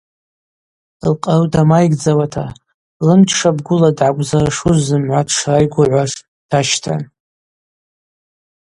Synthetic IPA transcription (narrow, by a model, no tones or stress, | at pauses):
lqʼarudamajɡd͡zawatʰa̰ | lɨmt͡ʃʰʂabɡʷʊladʕaɡʷʼzaraʂuzːɨmʕʷatʰʂrajɡʷaʕʷaʂ | d̥aʃtʰa̰n